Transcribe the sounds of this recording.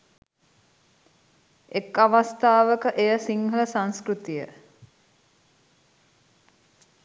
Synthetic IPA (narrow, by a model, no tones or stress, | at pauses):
ekːaʋast̪aːʋəkəʔejəsiŋhələsaŋskɾut̪ijə